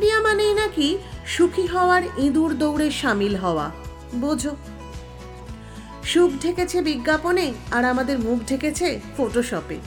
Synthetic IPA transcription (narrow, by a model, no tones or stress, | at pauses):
ɾiamanejnakiʃukʰiɦɔoaɾĩd̪uɾd̪owɾeʃamilɦɔoa̰ | bod͡ʑʱo | ʃukʰʈeket͡ɕʰebiɡːaponeaɾamad̪eɾmukʰʈeket͡ɕʰefoʈoʃɔpḛ